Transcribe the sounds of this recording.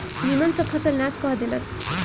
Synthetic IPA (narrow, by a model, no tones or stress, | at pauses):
nimʌnsʌpʰʌsʌlnaskʌɦʌd̪ilʌs